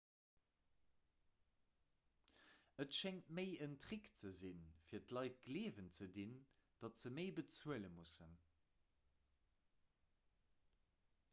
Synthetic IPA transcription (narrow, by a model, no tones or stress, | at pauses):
ətʃɛŋtməɪəntʁikt͡səzinfiːɐtlɑɪt̚ɡleːvənt͡sədin | d̥ɑtz̥əməɪbət͡suələmusən